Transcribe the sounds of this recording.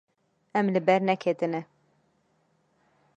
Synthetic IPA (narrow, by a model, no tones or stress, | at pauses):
ɛmlɨbɛɾnɛkʰet̪ɨnɛ